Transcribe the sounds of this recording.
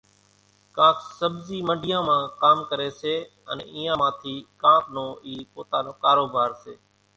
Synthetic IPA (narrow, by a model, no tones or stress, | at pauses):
kãːksəbziːməɖʱɪjãːmãːkaːmkəɾeːseː | ənḛ̃ːʔiːãːmãːt̪ʰiːkãːpnõːiːpoːt̪aːnoːkaːɾoːbʱaːɾseː